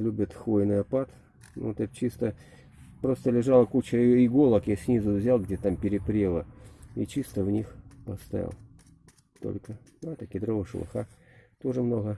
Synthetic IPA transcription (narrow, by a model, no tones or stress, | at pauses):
lʲubʲɪt̪xvojnɨjɐpat̪ | nṵt̪ɛt̪̚t͡ɕist̪ə | pɾo̞st̪əlʲɪʐalˠəkut͡ɕəiɡolˠəkjasʲnʲizʊvzʲalˠɡdʲet̪ampʲɪɾʲɪpɾʲelˠəit͡ɕist̪əvnʲixpəst̪ɐ̰ja̰lˠ | t̪o̰lʲkəɛt̪əkʲɪd̪ɾo̞vəʂlˠɐ̰xat̪o̞ʐɨmno̞ɣə